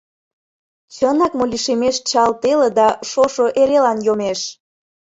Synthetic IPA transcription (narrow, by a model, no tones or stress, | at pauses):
t͡ɕənɑkmolʲiʃemeʃt͡ɕɑlt̪elĕd̪ɑʃoʃoʔeɾelɑnjomeʃ